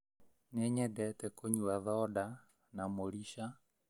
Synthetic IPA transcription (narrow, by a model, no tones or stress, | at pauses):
nɛɲɛdɛtɛkoɲuaðɔda | namoɾiʃa